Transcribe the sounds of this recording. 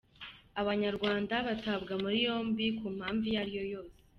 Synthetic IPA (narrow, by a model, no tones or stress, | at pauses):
aβaɲaɾɡwaːndaβatabɡamuɾijo̞ːmbikuːm̥haːɱvijaɾijo̞jo̞ːse